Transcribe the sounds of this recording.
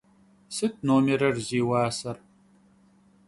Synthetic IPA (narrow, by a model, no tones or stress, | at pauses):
sɨt̚ʰnoːmeɾɐrziːwaːsɐr